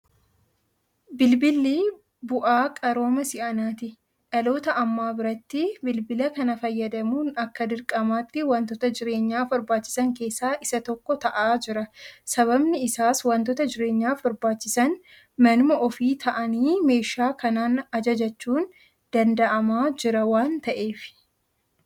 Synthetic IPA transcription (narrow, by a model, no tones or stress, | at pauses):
bɪlbɪlːi | bʊʔaːkʼɐɾo̞ːmɐsɪʔɐnaːt̪ɪ | ᶑɐlo̞ːt̪ɐʔɐmːaːbɪɾɐt̪ːɪbɪlbɪlɐkɐnɐfɐjːɐd̪ɐmuːnɐkːɐd̪ɪɾkʼɐmaːt̪ːɪwɐnt̪ɔt̪ɐd͡ʒɪɾe̞ːɲːaːfbɐɾbaːt͡ʃːɪ̥sɐŋke̞ːsːaːʔɪsɐt̪ɔkːɔt̪ɐʔaːd͡ʒɪɾɐsɐβɐbnɪɪsaːswɐnt̪ɔːt̪ɐd͡ʒɪɾe̞ːɲːaːfbɐɾbaːt͡ʃːɪsɐn | mɐnmɐʔɔfiːt̪ʰɐʔɐniːme̞ːʃaːkɐnaːnɐd͡ʒɐd͡ʒɐt͡ʃːuːn | d̪̥ɐnd̪ɐʔɐmaːd͡ʒɪɾɐwaːnt̪ɐʔe̞ːfɪ̥